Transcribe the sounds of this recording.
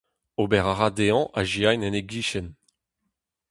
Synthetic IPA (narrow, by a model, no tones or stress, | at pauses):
obɛʁaʁad̪eɑ̃ʔaʒiajnɛ̃neɡiʃɛn